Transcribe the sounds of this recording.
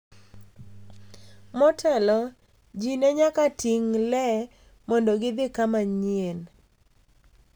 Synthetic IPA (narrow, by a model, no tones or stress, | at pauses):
mɔtʰɛlɔ | d͡ʒinɛɲakatiŋlɛ | mɔndɔɡɪd̪ɪkamaɲɪen